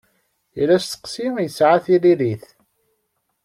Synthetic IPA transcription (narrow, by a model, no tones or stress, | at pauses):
ilæst̪ːə̥qsimjəsʕaθililiθ